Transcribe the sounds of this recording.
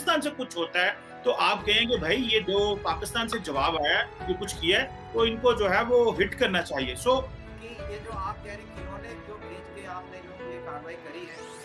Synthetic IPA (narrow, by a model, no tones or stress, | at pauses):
st̪aːnsekʊt͡ʃʰɦoːt̪aɦɛː | t̪oʔaːp̚kɛɦẽːɡebʱaːijed͡ʒoːpaːkɪst̪aːnsed͡ʒɐʋaːbaːjakekʊt͡ʃʰkiaɛ | t̪oɪnkod͡ʒoːɦɛʋoɦɪʈkɐɾnat͡ʃaːɦiesoː | kijed͡ʒoːaːp̚kɛɦɾẽkõnẽːd͡ʒoːbeːd͡ʒkeaːpneɪnkliekaːɾʋaːikɐɾiɦɛː